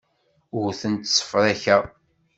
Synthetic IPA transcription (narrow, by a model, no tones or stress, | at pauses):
ʊɾθənt̪sːə̥fɾˤæçæ